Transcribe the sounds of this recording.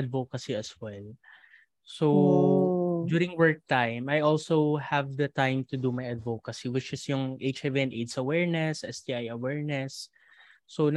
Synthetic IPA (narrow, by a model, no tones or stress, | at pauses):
ɐd̪vokɐsiɐswɛl | so | duːɾɪ̃ŋwɛɹk̚t̪ãjmajʔɔlsohɛvd̪ɐt̪ãjmt̪ʊd̪umajɐd̪vokɐsiwɪt͡ʃɪsjʊŋʔejt͡ʃɛviɛ̃nʔed̪sɐwɛɹnɛsʔɛst̪iajɐwɛɹnɛsː | on